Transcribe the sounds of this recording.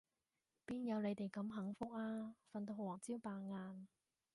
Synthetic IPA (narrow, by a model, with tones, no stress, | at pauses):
piː˥njɐ˨˧wle˨˧jt̪e˨˩jkɐ˨˧˥mɦɐ˨˥ŋfʊ˥k̚aː˥fɐ˨˧nt̪̬o˧˩wɔː˨˩ŋt͡siː˥wpaː˨ŋaː˧n